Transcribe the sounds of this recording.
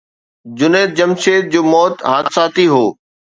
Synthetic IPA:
d͡ʑʊneːd̪̚d͡ʑɐmʃeːd̪̚d͡ʑoːmɔːt̪ɦãːsaːt̪iɦoː

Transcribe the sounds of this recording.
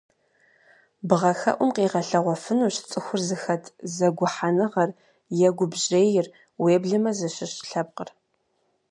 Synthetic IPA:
bʁɐxɐ̰ʔʷʊmqiːʁɐɬɐʁʷɔfɨnuːɕt͡sʼɨxʷʊrzɨxɐtʰzɐɡʷʊħanɨʁɐr | jɛɡʷʊbʑeːjɪr | weːbɮɨmɐzɐɕɪɕɬɐp̚qə̰r

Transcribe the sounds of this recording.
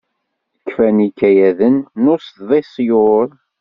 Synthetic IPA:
əkːfænikːæjæðənːʊst̪ðˤesˤjʊɾˤ

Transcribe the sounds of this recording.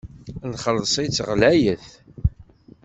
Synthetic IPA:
nχəlːsˤit͡sːʁlæjəθ

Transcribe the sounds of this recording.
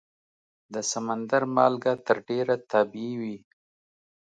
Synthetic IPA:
d̪əsamand̪aɾmɑlɡat̪əɾɖeɾat̪ɑbiiwi

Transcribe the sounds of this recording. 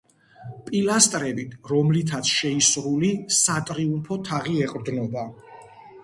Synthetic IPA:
pʼilast̪ʼɾɛbit̪ʰɾɔmlit̪ʰat̪sʰʃɛisɾulisat̪ʼɾiumpʰɔt̪ʰaʁiɛqʼɾd̪nɔba

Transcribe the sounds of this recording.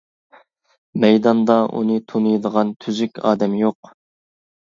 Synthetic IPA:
mɛjd̪ɑnd̪ɑʔṵnɨt̪ʰonɨjd̪əʁɑnt̪ʰyzykʲʰɑ̰ːd̪ɛmjoq

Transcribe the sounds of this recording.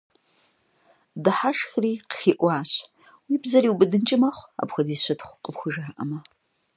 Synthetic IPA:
dɨħaʂxriːqəxiːʔʷɑaːɕ | wiːbzɐɾiːwbɨdɨnt͡ʃʼɪmɐχʷa̰ːpxʷɐdiːɕʷɐtʰχʷqʼəpxʷʊʒaːʔɐ̰mɐ

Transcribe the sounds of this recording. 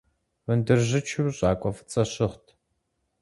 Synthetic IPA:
vɨndɨrʑɪt͡ʃʰɨwɕʼaːkʷʼɔfɨ̥t͡sʼɐɕɪχtʰ

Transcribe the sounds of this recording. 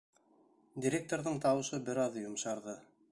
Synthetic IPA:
dʲiɾʲek̚t̪oɾðɤɴt̪ɑwɤ̆ʃɤbɘ̆ɾɑðjŏmʃɑɾðɤ

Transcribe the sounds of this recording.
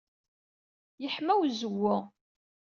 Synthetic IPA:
jəħmæwzəwːʊ

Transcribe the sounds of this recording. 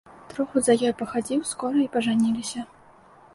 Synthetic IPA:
t̪ɾɔxuzɐjɔjpɐxad͡zʲiwskɔɾɐipɐʐanʲilʲisʲɐ

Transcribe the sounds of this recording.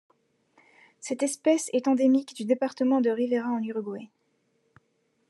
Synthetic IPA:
sɛt̪ɛspɛsɛt̪ɑ̃d̪emikd̪yd̪epaʁt̪əmɑ̃d̪əʁiveʁaɑ̃nyʁɡwɛ

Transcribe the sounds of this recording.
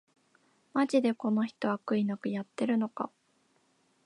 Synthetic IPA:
mad͡ʑid̪e̞ko̞no̞çi̥t̪o̞βakɯ̟inakɯ̟jat̪ːe̞ɾɯ̟no̞ka̰

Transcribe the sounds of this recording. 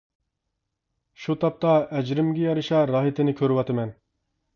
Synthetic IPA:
ʃut̪ʰɑp̚t̪ɑɛd͡ʒɾɪmɡʲɛjɑɾɨʃɑɾɑːɦit̪ʰɪnɪkʲʰøɾɪwɑt̪ɨmɛn

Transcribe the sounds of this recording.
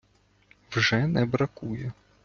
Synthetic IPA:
wʒɛnɛbɾɐkujʊ

